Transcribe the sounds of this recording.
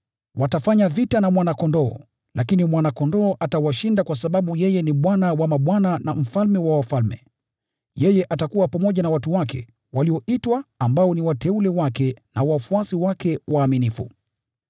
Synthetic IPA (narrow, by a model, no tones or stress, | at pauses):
watafaɲavitanamwanakɔndɔ̰ː | lʔakinimwanakɔndɔːʔatawaʃindakwasaɓaɓujɛjɛniɓwanawamaɓwananam̩falmɛwawafalmɛ̰ | jɛjɛʔatakuwapamɔʄanawatuwakɛ̰ | waliɔʔitwaːmbaɔniwatɛulɛwakɛnawafuasiwakɛwaːminifṵ